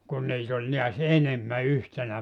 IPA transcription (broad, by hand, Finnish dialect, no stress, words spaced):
kun niːt olʲ niæs enemːæ yhtenæ